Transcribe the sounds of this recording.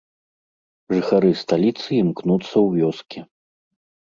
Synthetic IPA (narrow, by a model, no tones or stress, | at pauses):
ʐɨxaɾɨst̪alʲit̪sɨimknut̪sːɐwvʲɔskʲi